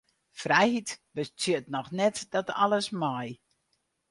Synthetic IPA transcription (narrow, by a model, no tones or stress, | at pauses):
frɛjhitbət͡sjətnɔxnɛtdɔta̰lˠəsmɔj